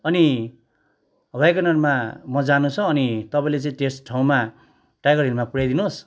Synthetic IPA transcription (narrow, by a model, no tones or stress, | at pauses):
ʌni | ɦβajkʌnʌrmamʌd͡zanũt͡sʰʌːnit̪ʌpãĩlet͡sʌĩʈesʈʈʰaũma | ʈajɡʌrilmapuɾajd̪inos